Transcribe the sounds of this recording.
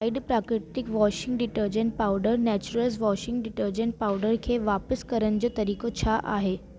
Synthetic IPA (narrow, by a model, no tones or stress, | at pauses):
aiɖpɾakɾɪʈikʋɔɕiŋɡɖiʈəɾd͡ʑəɳʈ̚pawɖəɾnɛt͡ɕuɾəlsʋɔɕiŋɡɖiʈəɾd͡ʑəɳʈ̚pauɖəɾkʰeʋapəskəɾənd͡ʑot̪əɾikot͡ɕʰaʔa̰ɦe